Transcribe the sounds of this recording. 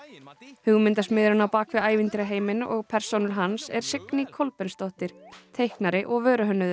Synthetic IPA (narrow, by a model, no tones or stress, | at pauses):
hʏɣmɪnt̪asmɪðɪɾʏnːawpaːkʰvɪaːjvɪnt̪ɪɾaɦeːjmɪnʔɔ̰ɣpʰɛɾ̥sownʏɾ̥ɦansɛ̰ɾ̥sɪknɪkʰɔlpɛnst̪ɔht̪ɪɾ̥t̪ʰejhknaɾɪʔɔɣvœːɾʏɦœnːʏðʏ